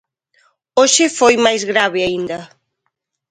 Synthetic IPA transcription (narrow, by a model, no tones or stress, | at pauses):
oʃɪfojmajzɣɾaβɪaind̪ɐ